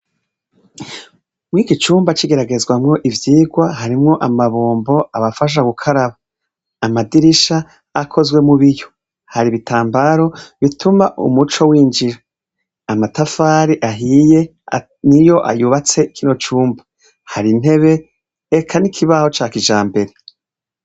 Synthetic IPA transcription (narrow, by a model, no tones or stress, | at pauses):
mwiːɡit͡ʃuːmbat͡ʃiɡe̞ɾaɡe̞zɡwamŋo̞ʔivjiːɡwaɦaɾimŋo̞ʔamaβoːmbo̞aβafaʃ̬aɡukʰaɾaβaː | madiɾiʃaː | kʰo̞zɡwe̞muβijo̞ | haɾiβitʰaːmbaɾo̞βitumaʔṵmut͡ʃo̞wiːnd͡ʒiɾa | amatafaːɾiʔaɦije̞ | nijo̞ʔa̰juβat͡se̞ikʰino̞t͡ʃuːmba | haɾin̥e̞βe̞ː | kʰanikʰiβaho̞t͡ʃaːkiʒaːmbe̞ɾe̞